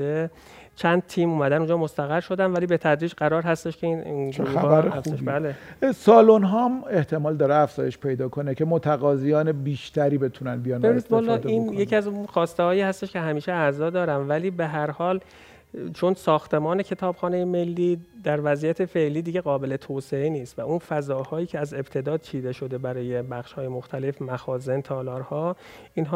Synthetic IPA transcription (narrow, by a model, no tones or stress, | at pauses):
e | t͡ʃʰænd̪̚t̪ʰiːmuːmæd̪ænund͡ʒɒːmo̞st̪æɣæɾʃo̞d̪ænvæliːbe̞t̪ʰæd̪ɾiːd͡ʒɢæɾɒːɾɦæst̪e̞ʃkʰe̞inɡɾuææɾeæfeʃbæːlesɒːlonɦɒːmeht̪ʰe̞mɒːld̪ɒːɾeæfz̥ɒːjeʃpʰe̞jd̪ɒːkʰonekʰemot̪ʰæɣɒːzijɒːnebiːʃt̪ʰæɾiːbe̞t̪ʰunænbijɒnbeinid̪bɒːlːɒːd̪iːnjecʰiæzuxɒːst̪ehɒːjiːhæst̪eʃcʰeɦæmiːʃeæzɒːd̪ɒːɾæmvæliːbeɦæɾhɒːl | t͡ʃʰo̞nsɒːxt̪e̞mɒːne̞cʰe̞t̪ʰɒːb̥xɒːnejeme̞lːiːd̪æɾvæzijæt̪ʰe̞fe̞ʔliːd̪iːɟe̞ɣɒːbe̞le̞t̪ʰose̞eniːst̪væunfæzɒːhɒːjiːcʰeæze̞bt̪ʰe̞d̪ɒːd̪̚t͡ʃʰiːd̪e̞ʃo̞d̪e̞bæɾɒːje̞bæxʃhɒːjemoxt̪ʰæle̞fmæxɒːze̞nt̪ʰɒːlɒːɾhɒ | iːnɦɒ